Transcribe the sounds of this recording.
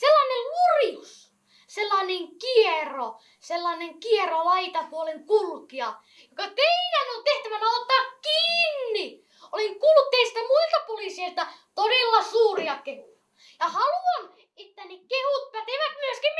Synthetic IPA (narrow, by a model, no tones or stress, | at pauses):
selːɑːnellurijus | selːɑːneŋkiero | selːɑːneŋkierolɑit̪ɑkuoleŋkulkiɑ | jokɑt̪eidænont̪eht̪æʋænæot̪ːɑːkkiːnːi | oleŋkulkːeist̪æmuilt̪ɑpolisieilt̪ɑt̪odelːɑsuːriɑkehujɑ | jɑhɑluɑn | et̪ːænekehut̪̚pæt̪eʋæt̪myøskim